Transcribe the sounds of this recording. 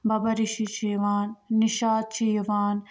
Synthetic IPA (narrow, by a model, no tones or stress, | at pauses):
bɐbɐɾiʃit͡ʃʰiʋaːnːiʃaːt̪̚t͡ʃʰiɐʋaːn